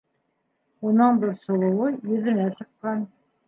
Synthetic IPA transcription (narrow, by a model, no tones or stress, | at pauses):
unɤɴbɘɾsŭlˠɤ̆wɤjɵ̆ðɘ̆næsɤ̆qːɑn